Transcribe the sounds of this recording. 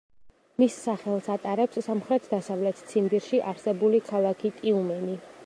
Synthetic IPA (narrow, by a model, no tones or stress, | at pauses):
misːaχɛlˠsat̪ʼaɾɛpsːamχɾɛt̪ʰd̪asavlɛt̪ʰt̪sʰimbiɾʃiʔaɾsɛbulikʰalˠakʰit̪ʼiumɛni